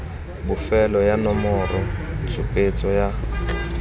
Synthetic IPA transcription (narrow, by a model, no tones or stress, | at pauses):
bʊfɛlɔjanɔmɔrɔt͡sʰʊpʼet͡sʼɔja